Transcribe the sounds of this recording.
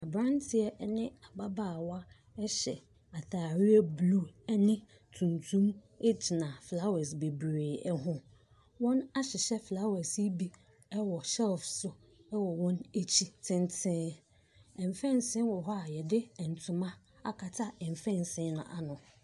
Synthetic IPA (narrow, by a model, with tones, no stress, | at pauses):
a˨bɾã˦n˦tʰɪ˦ɛ˦nɪ̃˦a˨ba˦baː˦˨wa˦ | ɛ˦ɕɛ̰˨ | a˨θaː˨ɾi˦ɛ˦blu˦˨ɛ˦nɪ̃˦ | tʰũ˨ntʰũ˦m | e˦t͡ɕʰi˨nã˨fla˦wɛ˨sbe˨bɾeː˨ɛ˦ɦʊ̃˦ | wɔ̃˦na˦ɕɪ˨ɕɛ˦fla˦wɛ˨si˦bi˦ | ɛ˦wɔ˨sɛ˦lfsʊ˨ | ɛ˦wɔ˨wɔ̃˦ne˦t͡ɕʰi˨tʰɪ̃˦n˦tʰɪ̃˦ | ɛ̃˨m˨fɛ̃˦˨nsɪ̃˦wɔ˨ɦɔ˦a˨jɛ˨dɪ˦ɛ˨n˨tʰũ˨mã˦ | a̰˦kʰa˨tʰa˦ɛ˨m˨fɛ̃˦˨n˨sɪ̃˦nʊ̰̃˨ʔa̰˨nʊ̃˨